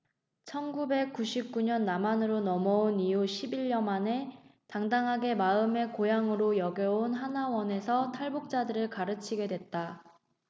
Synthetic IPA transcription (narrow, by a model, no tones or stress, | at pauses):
t͡ɕʰʌnɡube̞k̚k͈uɕʰip̚k͈uɲʌnːamanɯɾonʌmʌonijuɕʰibiʎːʌmane̞taŋdaŋɦaɡe̞maɯme̞kojaŋɯɾojʌɡjʌonɦanawʌne̞sʰʌtʰaɭbuk̚t͡ɕ͈adɯɾɯɭkaɾɯt͡ɕʰiɡe̞dwe̞t̚t͈a